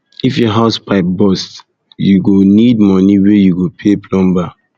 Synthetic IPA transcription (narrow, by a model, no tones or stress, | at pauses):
ifjɔɦaspʰaɪp̚bɔst | juɡonid̚mɔniwejuɡopʰeplɔ̃mba